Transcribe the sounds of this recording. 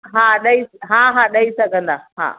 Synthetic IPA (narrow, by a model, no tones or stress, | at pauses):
ɦaːɗɐisɦaɦaɗɐisɐɡɐnd̪aha̰ː